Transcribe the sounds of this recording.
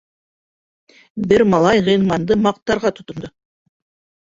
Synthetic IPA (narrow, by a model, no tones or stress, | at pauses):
bɪɾmɑlˠɑjʁəjnmɑnd̪əmɑq̚t̪ɑɾʁɑt̪ʰʊ̥t̪ʊ̆nd̪ɤ